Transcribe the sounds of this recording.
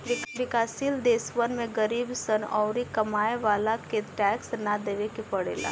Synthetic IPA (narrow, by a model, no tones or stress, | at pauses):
ʋɪkʋɪkaːsild̪eːsʋənmẽɡəɾiːbsənɔːɾikɐmaːeʋaːlakeʈɛːksnad̪eːʋekepɐɽḛːla̰ː